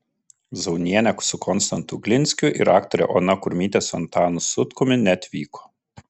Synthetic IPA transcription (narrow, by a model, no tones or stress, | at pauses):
zɐʊnʲiɛnʲɛkʊ̥sʊkʰɔnst̪ɐnt̪ʊɡʲlʲɪnʲsʲkʲʊʔɪ̰ɾɑːkt̪ɔɾʲɛ̰ʔo̰nɐkʊɾʲmʲiːt̪ʲeːsɔnt̪ɑːnʊsʊt̪kʊmʲɪnʲɛt̪ʲʋʲiːkʰoː